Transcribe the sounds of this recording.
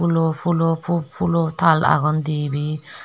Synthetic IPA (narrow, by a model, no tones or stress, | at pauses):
ulopʰulopʰupʰulot̪ʰala̰ɡɔnd̪ibi